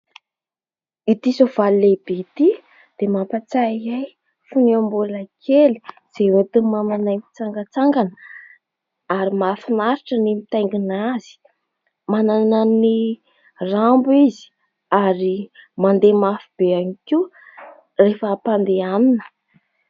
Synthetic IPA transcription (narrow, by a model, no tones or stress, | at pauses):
it̪isov̥alilebeit̪i | d̪̥emapat͡saiaj | funiambulakʰeli̥ | z̥ewet̪umananajmit͡saŋɡət͡saŋɡanə | aɾimafinaɾiʈ͡ʂənimit̪ajŋɡinaz̥i̥ | manananani | rambuizi̥ | aɾimand̪emafib̥eaniki | refəːpand̪eaninə̥